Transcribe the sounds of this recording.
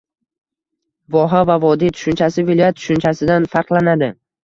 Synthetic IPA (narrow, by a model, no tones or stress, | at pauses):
vɒɦavavɒd̪it̪ʰʊ̥ʃʊnt͡ʃʰasɪvɪlˠɒjat̪̚ːʰʊ̥ʃʊnt͡ʃʰasɪd̪anfaɾqlˠanad̪ɪ